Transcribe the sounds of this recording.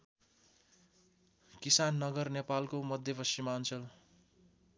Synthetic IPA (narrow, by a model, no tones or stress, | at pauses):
kisanːʌɡʌrnepalkomʌd̪ʱjʌpʌst͡ʃimaːnt͡sʌl